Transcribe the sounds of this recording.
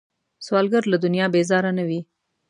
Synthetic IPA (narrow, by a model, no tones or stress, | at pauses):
swɑlɡaɾlad̪ʊnijɑbezɑɾanawi